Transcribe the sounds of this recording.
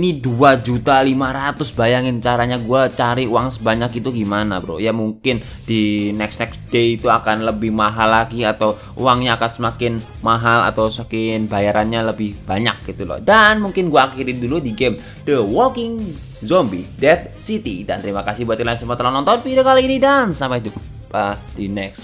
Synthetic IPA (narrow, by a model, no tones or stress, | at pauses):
iniduad͡ʒut̪alimaɾat̪ʊsbajaŋɪnt͡ʃaɾaɲaɡuat͡ʃaɾiuwaŋsəbaɲak̚it̪uɡimanabɾo̰jamuŋkɪn | d̥inɛksnɛksd̥eit̪uakanləbɪhmaɦalːaɡiat̪aw | ṵwaŋɲaːkansəmakɪn | maɦala̰t̪awsəmakɪnbajaɾanɲaləbɪhbaɲak̚ɡit̪ulɔ̰hdanmuŋkɪnɡuaːkiɾiduludiɡem | d̥əwɔkɪŋ | zɔmbidɛt̪̚sit̪idant̪əɾimakasɪhbuat̪ilasəmat̪əlanɔnt̪ɔnpidakaliːnidansampaidu | adinɛks